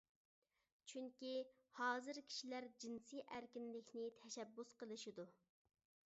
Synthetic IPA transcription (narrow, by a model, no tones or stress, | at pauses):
t͡ʃʰyŋkʲi | hɑːzɨɾkʲʰi̥ʃilæɾd͡ʒinsiʔæɾkʲinlɪkʲnɪt̪ʰɛʃɛbːusqəlˠɨʃid̪u